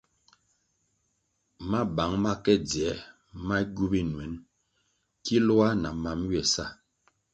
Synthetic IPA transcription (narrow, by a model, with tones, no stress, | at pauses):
ma˦ba˨˦ŋma˦kɛ˦d͡zɛ˨˦ | ma˦ɡu˦bi˦n˨ɛ˨˦n | ki˦lo˦a˦na˨ma˨˦mɥɛ˨sa˦˨